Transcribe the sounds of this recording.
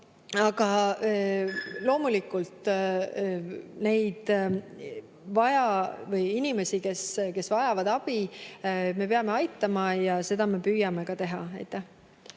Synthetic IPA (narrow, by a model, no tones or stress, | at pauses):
ɑɡɑ | lo̞ːmulikːˑult̪ˑ | ne̞jd̪̥ | vɑjɑvɤjinime̞sike̞ske̞svɑjɑvɑd̪̥ɑb̥i | me̞p̬eɑme̞ɑjt̪ːˑɑmɑjɑse̞d̪̥ɑme̞pyːjɑme̞kɑt̪e̞ɦɑɑjt̪ːˑæh